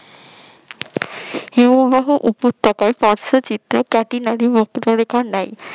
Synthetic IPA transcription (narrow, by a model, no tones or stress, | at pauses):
ewbaɦuʔupot̪ːɔkaepɔɾsot͡ɕit̪ɾokɛʈinaɾibɔkɾoɾekʰaɾnaj